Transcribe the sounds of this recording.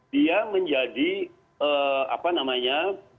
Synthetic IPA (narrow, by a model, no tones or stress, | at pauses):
diaməɲd͡ʒadi | əa̰panamaɲa